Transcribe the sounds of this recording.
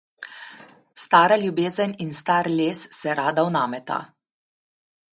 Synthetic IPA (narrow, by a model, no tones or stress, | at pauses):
st̪aːɾalʲjubeːzəninst̪aːɾlʲeːsːɛɾaːd̪awnaːmɛt̪a̰